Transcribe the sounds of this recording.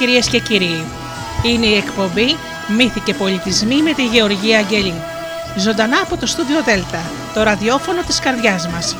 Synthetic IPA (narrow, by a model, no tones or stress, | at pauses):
iɾiesce̞ciɾi | ine̞ie̞kpo̞mbi | miθice̞po̞lit̪izmime̞t̪iʝe̞o̞ɾʝiɐːɲɟe̞ʎi | zo̞nd̪ɐnɐːpo̞t̪o̞st̪uðio̞ðe̞lt̪ɐ | t̪o̞ɾɐðio̞fo̞no̞t̪i̥skɐɾðʝɐzmɐs